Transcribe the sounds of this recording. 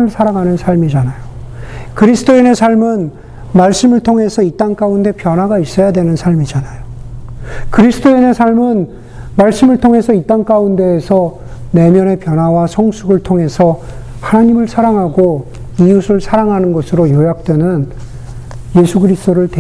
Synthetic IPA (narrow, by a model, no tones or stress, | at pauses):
ɯɭsʰaɾaŋɦanɯnsʰaɭmid͡ʑanajokɯɾisʰɯ̥tʰoine̞sʰaɭmɯn | maɭs͈ɯmɯɭtʰoŋe̞sʰʌit͈aŋk͈aunde̞pjʌnɦwaɡais͈ʌjadwe̞nɯnsʰaɭmid͡ʑanajo | kɯɾisʰɯdʰoine̞sʰaɭmɯn | maɭs͈ɯmɯɭtʰoŋɦe̞sʰʌit͈aŋk͈aunde̞ːsʰʌ | ne̞mjʌne̞pjʌnɦawasʰʌŋsʰuɡɯɭtʰoŋe̞sʰʌhanaɲimɯɭsʰaɾaŋɦaɡo | iusʰɯɭsʰaɾaŋɦanɯnɡʌsʰɯɾojojak̚t͈we̞nɯn | je̞sʰuɡɯɾisɯt͈oɾɯɭt